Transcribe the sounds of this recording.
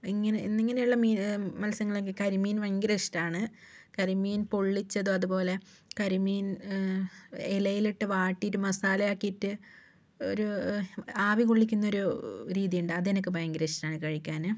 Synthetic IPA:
iŋːɐneḭnːiŋːɐne̞juɭːɐmiːmɐlsɐŋːɐɭokːekɐɾumiːnʋɐŋɡɾeʂʈaːɳɨ | kɐɾumiːnpoɭːit͡ɕːɐðuɐðupo̞ːle̞ | kɐɾumiːn | elɐjiliʈːɨʋaːʈːioɾumɐsaːlɐjaːkːiiʈːɨ | o̞̰ɾu | aːʋikoɭːikʲːunːɐo̞ɾuɾiːðijuɳɖɨɐðenɐk̬ːɨʋɐjŋɡɾeʂtaːɳɨkɐɻikʲːaːnɨ

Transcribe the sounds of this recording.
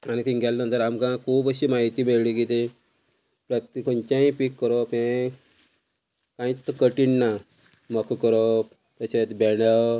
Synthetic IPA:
anit̪ĩnɡɛlnə̃nt̪əɾamkãkʰuːbəɕiːmaɦit̪iːmeɭɽikit̪i | pɾəkt̪ikəɲt͡ɕãĩpikːəɾopẽ | kãĩt̪ːəkəʈiɳːa | məkʰkəɾo | t̪əɕet̪bɛɽa

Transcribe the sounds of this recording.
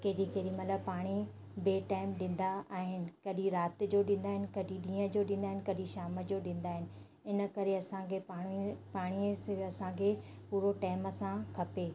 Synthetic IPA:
kɐːɾikeːɗimɐt̪ləbpaːɽ̃i | beːʈaːɪmɗɪ̃n̆d̪aaːɦɪnɪ̆kɐɗĩɾaːt̪d͡ʑoɗĩːnd̪aːɦɪnɪ̆kɐɗiɗĩːɦə̃d͡ʑoɗĩːn̆d̪aːɦɪnɪkɐɗĩʃaːməd͡ʑoɗɪ̃ːn̆d̪aːɦɪnɪ̆ | ɪnə̆kɐɾeɐsãkʰeapaːɽ̃isɐsãkʰeː | puːɾoʈaːɪməsãkʰɐpeː

